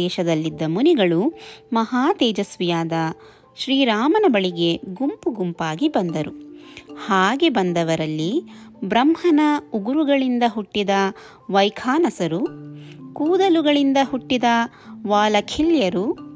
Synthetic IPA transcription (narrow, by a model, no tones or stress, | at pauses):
ɛːʃɐd̪ɐlːid̪ːɐmuniɡɐɭumɐɦaːt̪ɛːd͡ʒɐsʋijaːd̪ɐ | ʃɾiːɾaːmɐnɐbɐɭiɡe̞ɡumpuɡumpaːɡibɐnd̪ɐɾuhaːɡe̞bɐnd̪ɐʋɐɾɐlːibɾɐmhɐnɐuɡuɾuɡɐɭind̪ɐɦuʈːid̪ɐ | ʋɐjkʰaːnɐsɐɾu | kuːd̪ɐluɡɐɭind̪ɐɦuʈːid̪ɐ | ʋaːlɐkʰiljɐɾu